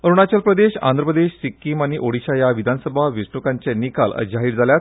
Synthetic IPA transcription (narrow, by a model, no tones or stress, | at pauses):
əɾuɽ̃at͡ɕəlpɾəd̪eɕa̰nd̪ɾəpəd̪eɕsikːiːmaɽ̃iʔoɽiɕajaʋid̪ʱanəsəbʱaʋisɳukãɲt͡ɕɛnikalə̰d͡ʑaɦiːɽd͡zʱaljat̪